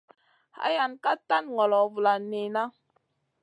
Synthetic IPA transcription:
ha̰˦ja˨nka˦ta˦nŋɔ˨lɔ˨vu˨la˨ne˨na˦

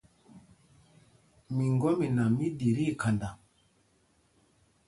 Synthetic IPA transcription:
mi˨ŋɡɔ˦mi˨na˨mi˦di˨ɾi˦˨ka˨nda˨

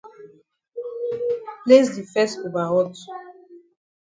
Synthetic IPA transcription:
ple˦sd̪i˨fɛ˦so˨ba˨ʁɔ˦t

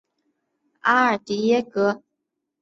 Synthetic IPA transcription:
a̰˦ə˨˩t̪i˨˩jɛ˥˦kɤ˧˥˦

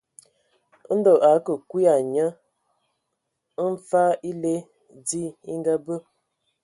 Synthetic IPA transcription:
n̩˦do˨ʔa˨˦kə˨kwi˦a˨ɲə˦ | n˦fa˦i˦le˦ | di˦i˦ŋ˦ɡa˦bə˦

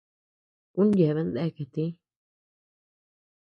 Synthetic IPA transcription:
ku˦n˦je˨βe˧nd̪e˦˧ke˨t̪i˦

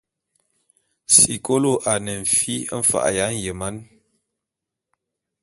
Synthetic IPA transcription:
si˨ko˦lo˦˨ʔa˨nə˨ɱ̩˨fi˦ɱ̩˦fa̰˨ʔja˨˦n˨jə˨ma˦n

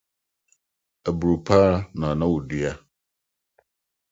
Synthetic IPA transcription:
ɛ˨bu˨ɾu˨pʰa˦nã˨nã˦wu˨di˨a˦

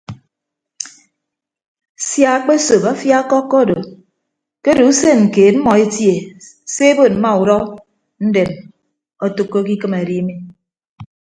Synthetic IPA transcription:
sja˨a˦k͡pe˦so˨pa˦fja˦kːɔ˦kːɔ˦do˨ | ke˦do˨u˦se˦ŋ̩˨keː˨t̚m̩˦mɔ˨e˦tje˨ | se˦e˦bo˨m̩˦ma˦u˨ɾɔ˦ | n̩˦de˨m | ɔ˦to˨kːo˦ki˦kɨ˦ma˨ɾi˦mi˦

